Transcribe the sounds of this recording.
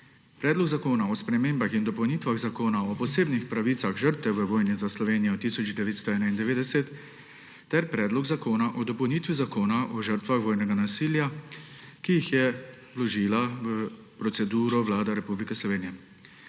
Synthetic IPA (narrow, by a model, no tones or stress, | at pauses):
pɾɛːd̪lɔɡzakoːnaɔspɾɛmeːmbaxind̪ɔpɐwniːt̪ʋaɣzakoːnaɔpɔseːbnixpɾaʋiːt̪saɣʒəɾt̪ʋɛʋəʋoːjnizaslɔʋeːnijɔt̪isɔd͡ʒd̪ɛʋeːt̪st̪ɔɛːnaind̪ɛʋeːd̪ɛsɛt̪ː | ɛɾpɾɛːd̪lɔɡzakoːnaʔɔd̪ɔpɐwnit̪ʋizakoːnaʔɔʒəɾt̪ʋaxʋoːjnɛɡanasiːlja | kijixjɛ | lɔʒiːlaʋə | pɾɔt̪sɛd̪uːɾɔʋlaːd̪aɾɛpublikɛslɔʋeːnijɛ